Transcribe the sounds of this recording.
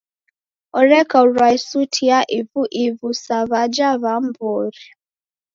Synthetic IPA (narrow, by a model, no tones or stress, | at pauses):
ɔɾɛkauɾaisutʰiaʔivuʔivusaβad͡ʒaβam̩bɔɾi